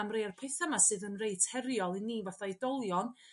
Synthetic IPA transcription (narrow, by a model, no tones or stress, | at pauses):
amrejarpʰejθamasɨːðənrejtʰhɛɾjɔlˠiniːvaθaidɔlˠjɔn